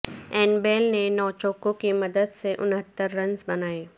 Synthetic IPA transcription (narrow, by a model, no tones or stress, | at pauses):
ɛːnbeːlnenɔːt͡ʃɔːkõkimɐd̪əd̪seʔʊnɦət̪ːəɾːɐ̃nzbɐnaːeː